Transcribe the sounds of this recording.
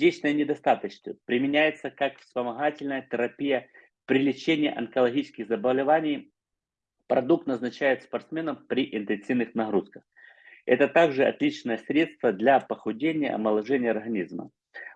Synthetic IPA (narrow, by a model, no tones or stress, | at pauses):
dʲet͡ɕnəjənʲɪd̪ɐst̪at̪ət͡ɕsvə̰pɾʲɪmʲɪnʲæjɪt̪səkakfspəmɐɣatʲɪlʲnəjət̪ʲɪɾɐpʲijə | pɾʲɪlʲɪt͡ɕenʲɪjə̰ʔɐnkəlˠɐɣʲit͡ɕɪ̥skʲɪɣzəbəvlʲɪvanʲɪj | pɾɐd̪uk̚t̪nəznɐt͡ɕæjɪt̪spɐrt̪smʲe̞nəmpɾʲɪʔɪnt̪ɨnsɨvnɨxnɐɣɾuskəx | ɛ̰t̪ət̪aɡʐɨɐ̰t̪lʲit͡ɕnəjəsɾʲe̞t̪st̪vəd̪lʲɐpəxʊdʲenʲɪjə̰ɐ̰məlˠɐʐɛnʲɪjəɐrɣɐnʲizmə̰